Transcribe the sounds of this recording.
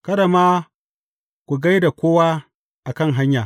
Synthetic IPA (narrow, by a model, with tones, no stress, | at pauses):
kɐ˦da˨maː˦ | kʷu˨ɡa˦jda˨kʷoː˦waː˦ | ʔa˨kɐ˦ŋɦa˦ɲjaː˨